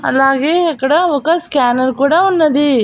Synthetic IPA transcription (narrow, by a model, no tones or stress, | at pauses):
ɐ̰lːaːɡeːekɐɽeʋɐkɐskaːnɐɾkuːɽaunːɐd̪i